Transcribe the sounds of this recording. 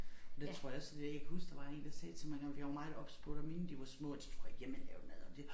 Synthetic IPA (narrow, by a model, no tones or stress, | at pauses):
ɒd̥et͡sʰʁo̝ɐ̰jɑ̈ɔ̽sd̥edæɐjäɪkʰæhusd̥ɑ̈ʋɑ̈e̝ːn̩d̥ɑsɛːt͡sʰe̝lmɑ̈ɪɡɑʋjʋɑmɑ̈ɪð̩ˠɒ̽b̥sb̥oɐɾ̥mend̥iʋɑ̈smɔ̰̽ːd̥i̥t͡sʰʁ̥o̝ɐjɡ̥jemelɛʊd̥mæðˠɒ̽d̥e